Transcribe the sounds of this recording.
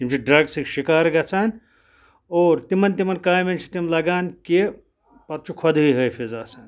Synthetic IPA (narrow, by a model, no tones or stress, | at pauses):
t̪imt͡ʃʰiɖɾɐɡsikʃikaːɾɡɐt͡sʰan | oːɾt̪imɐnt̪imɐnkaːjment͡ʃʰi̥t̪imlɐɡaːnki | pɐt̪t͡ʃʰukʰod̪iɦəjpʰezaːt͡sʰɐn